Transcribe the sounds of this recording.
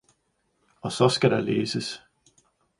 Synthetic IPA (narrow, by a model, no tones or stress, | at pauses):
ɒ̽sɒ̽sɡ̥æɾɑleːsəs